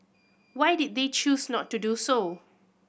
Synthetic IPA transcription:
wajdid̚det͡ʃusnɔtːuduso

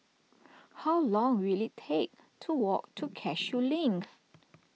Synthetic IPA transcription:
hawlɔ̃ŋwilitʰek̚ | tʰuwɔ̰k̚tʰukʰɛʃjulĩŋk

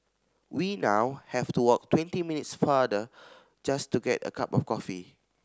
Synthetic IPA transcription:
winawhɛvtuwɔk̚twɛ̃ntiminitsfadə | d͡ʒastuɡɛtə̰kʰapɔfkɔfḭ

